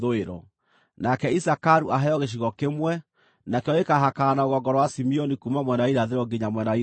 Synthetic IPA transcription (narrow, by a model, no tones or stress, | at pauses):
oeɾɔ̰ | nakɛisakaɾuʔaɦɛjɔɣeʃ̬iɣɔkemwɛ | nakeɔekaɦakaːnaoɣɔŋɡɔɾɔwasimiɔnikumamwɛnaiɾaðeɾɔɡeɲamwɛnai